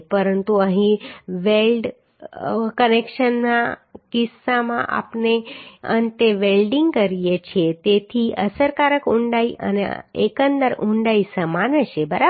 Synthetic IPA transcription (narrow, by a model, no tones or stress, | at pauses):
pəɾənt̪uəɦĩʋelɖ | kənekʃənnakɪsːamã̰ʔa̰pneə̰nt̪eʋelɖiŋɡkəɾijet͡ʃʰet̪et̪ʰiəsəɾkaɾəkuɳɖaiʔə̰nḛḛkənd̪əɾʔũɳɖaisəmanət͡ʃʰebəɾa